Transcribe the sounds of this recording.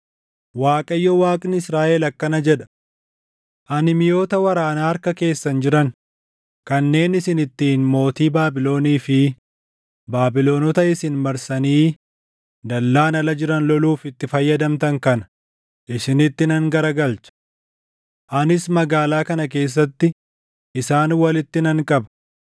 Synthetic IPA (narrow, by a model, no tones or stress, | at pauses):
waːkʼɐjːɔwaːkʼnɪɪsɾaːʔɛlɐkːɐnɐd͡ʒɛᶑɐ̥ | ʔɐnɪmɪjo̞ːt̪ɐwɐɾaːnaːɐɾkɐke̞ːsːɐnd͡ʒɪɾɐn | kɐnːe̞ːnɪsɪnɪt̪ːiːnmo̞ːt̪iːbaːbɪlo̞ːniːfɪ | baːbɪlo̞ːnɔt̪ɐɪsɪnmɐɾsɐniː | d̪ɐlːaːnɐlɐd͡ʒɪɾɐnlɔluːfɪt̪ːɪfɐjːɐd̪ɐmt̪ɐŋkɐnɐ | ʔɪsɪnɪt̪ːɪnɐŋɡɐɾɐɡɐlt͡ʃɐ̥ | ʔɐnɪsmɐɡaːlaːkɐnɐk̬e̞ːs̬ːɐt̪ːɪ | ʔɪsaːnwɐlɪt̪ːɪnɐŋkʼɐbɐ̥